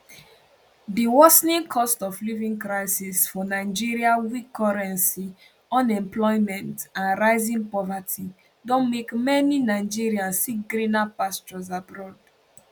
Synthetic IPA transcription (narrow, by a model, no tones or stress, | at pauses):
diwɔsnĩŋkʰɔstɔflivĩŋkɹaɪsisfɔnaɪd͡ʒiɹiawikʰːɔɹɛ̃nsi | ɔ̃nɛ̃mplɔɪmɛ̃ntãnɹaɪzĩŋpɔvatʰi | dɔ̃nmekmɛninaɪd͡ʒiɹiãnsikɡɹinapast͡ʃɔzabɹɔd